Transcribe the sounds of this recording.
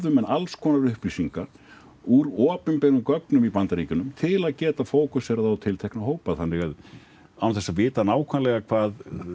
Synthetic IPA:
ðʏmɛnalskʰɔːnaɾʏhpɾisiŋka | uɾɔːpɪmpɛɣʏmkœknʏmipant̪aɾicʏnʏmt̪ʰɪlaðcɛːt̪afoːwkʏsɛɾaðat̪ʰɪlt̪ʰejhknaɦoːwpaðhanːɛɣað | awθɛsːavɪːt̪anaːwkʰvanlɛɣakʰvaːð

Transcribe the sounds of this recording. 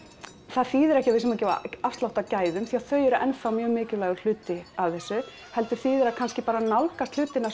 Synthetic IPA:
θaðθiːðʏɾɛhcɪvɪsɛmacɛva̰afst̪lawht̪acaːjðʏmθiaθœɥjʏɾaʔɛnfawmjœːɣmɪːcɪlaːjɣʏl̥ʏːt̪ɪavθɛsːʏ | hɛlt̪ʏ̥θiːðʏɾakʰanscɪpaːɾanawlkast̪l̥ʏːt̪ɪnːa

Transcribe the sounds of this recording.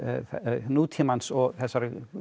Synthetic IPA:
ɛnuːt̪ʰɪmansɔθɛsaɾ

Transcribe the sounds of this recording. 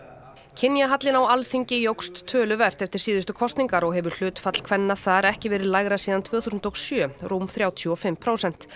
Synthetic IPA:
cʰɪnjaɦat̪lɪnawalθiɲcɪjowkst̪ʰːœːlʏvɛr̥t̪ɛft̪ɪɾ̥siːðʏst̪ʏkʰɔst̪niŋkaɾɔɣɦɛvʏɾ̥l̥ʏːt̪fat̪l̥kʰvɛnːaθaɾɛhcɪvɛːɾɪðlajɣɾasiːðant̪ʰvœːɣθusʏnt̪ɔɣsjœːrumθɾjaːwt̪ʰjɔɔfɪmpʰɾoːwsɛn̥t̪

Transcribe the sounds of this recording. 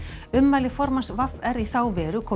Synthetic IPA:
ʏmːalɪfɔɾmansvavɛɾiθaːwvɛːɾʏkʰɔː

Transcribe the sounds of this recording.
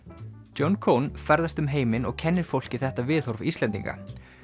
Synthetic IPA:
ownkʰownfɛɾðast̪ʏmɦeːjmɪnɔɣcʰɛnːɪɾ̥fowl̥cɪθɛht̪avɪːðhɔɾ̥fist̪lɛnt̪ḭŋka̰

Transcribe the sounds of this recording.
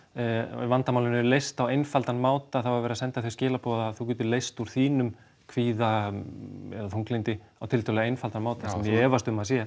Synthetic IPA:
vant̪amawlɪnːʏlejst̪awejnfalt̪anmaːwt̪aθawvaɾvɛːɾasɛnt̪aθiscɛːlapɔðaθuc̬ɛːt̪ʏlejst̪uɾ̥θiːnʏm | kʰviːða | ɛ̰ðaθuŋklɪjnt̪ɪ | awt̪ʰɪlœlɣaejnfalt̪anmaːwt̪asɛmjɛɛːvast̪ʏmːasjɛ

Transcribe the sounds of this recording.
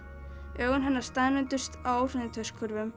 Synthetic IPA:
œːɣʏnɦɛnːaɾ̥st̪aðnɛnt̪ʏst̪awr̥ɛnɪt̪ʰœɥskʰœɾvʏm

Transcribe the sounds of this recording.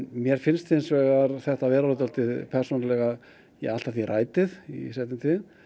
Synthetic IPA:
nmjɛɾ̥fɪnst̪fɪnsvɛːɣaɾθɛht̪avɛːɾalɔt̪alt̪ɪðpʰɛr̥sɔnalɛɣað | jɛ̰ɣal̥t̪aθiraːjt̪ɪðḭsɛht̪ɪnt̪ʰɪn

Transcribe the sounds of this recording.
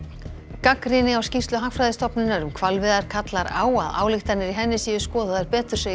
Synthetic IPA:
kakɾɪnɪawscifst̪lʏɦakfɾajðɪst̪ɔpnʏnːaɾʏmkʰvalvɪðaɾ̥kʰat̪laɾa̰ːwa̰ða̰ːwlɪxt̪anɪɾiɦɛnːɪsijʏ̥skɔːðaaɾpɛːt̪ʏɾ̥se

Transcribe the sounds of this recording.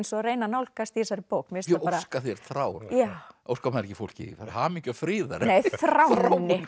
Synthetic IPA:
nsɔreːjnanawlkast̪iɛsaɾɪpowkmɛsaaɾaskaθjɛɾθɾawɾjaʔowskamaɾɛcːɪfowl̥cɪ̰ḭvaɾhamicʏfɾiːða̰ɾnejθɾawnːɪ

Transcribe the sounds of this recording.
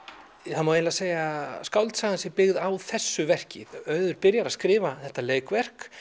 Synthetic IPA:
θanmaweɛlaseːjaskawlt̪saɣansɪpɪɣðawθɛsːʏvɛr̥cɪðœɥðʏɾpɪɾjaɾaðskɾɪːvaθɛht̪aleːjkvɛr̥k

